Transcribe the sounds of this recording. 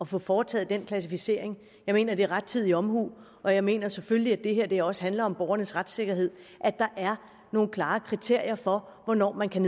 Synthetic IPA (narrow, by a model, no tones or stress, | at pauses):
ɒ̽fɔ̽fɒːt͡sʰɛ̰ːð̩ˠd̥enkʰlæs̬ifise̝̰ɐ̰e̝ŋ | jɑ̈ɪme̝̰ːnɐd̥e̝æɐʁäd̥̚t͡sʰið̰ˠiɒ̽mhṵː | ɒ̽jɑ̈ɪme̝̰ːnɐsefølliæd̥e̝ɦeɐ̰d̥e̝ɒ̽sə̥ɦænlɐɒ̽mb̥ɒːʊɐnəsʁad̥se̝ɡ̥ɐɦe̝ð̞̰ˠ | ʔæd̥ɑ̈ʔæɐ | no̝ːn̩kʰlɑ̈ːkʰʁit͡sʰe̝ɐ̰jɐfɒ̽ʋɒnɒ̰ːmænkʰæne